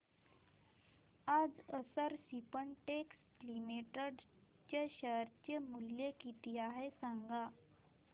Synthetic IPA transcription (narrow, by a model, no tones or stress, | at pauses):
ad͡zəsəɾsipəɳʈeks | limeʈəɖ | t͡ɕeɕəɾt͡ɕemuljekit̪iaɦesaŋɡa